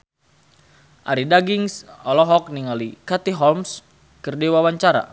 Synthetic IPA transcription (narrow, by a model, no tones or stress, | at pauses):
ʔaɾidaɡiŋsɔlɔɦɔk̚niŋalikat̪iɦɔlms | kərdiwawaɲt͡ʃaɾa̰